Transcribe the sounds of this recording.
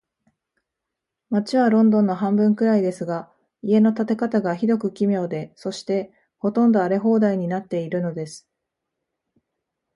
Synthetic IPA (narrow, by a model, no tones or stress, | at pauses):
mat͡ɕiβaɾõ̞nd̪õ̞nːo̞ɦãmbɯ̟̃ŋkɯ̟ɾaid̪e̞sɨɡa | ie̞no̞t̪at̪e̞kat̪aɡaçid̪o̞kɯ̟kʲimʲjo̞ːd̪e̞so̞ɕi̥t̪e̞ | ho̞t̪õ̞nd̪o̞aɾe̞ɦo̞ːd̪aiɲ̟inat̪ːe̞iɾɯ̟no̞d̪e̞sɨ̥